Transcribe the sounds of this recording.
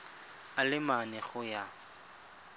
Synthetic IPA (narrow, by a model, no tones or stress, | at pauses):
alɪmanɛχʊja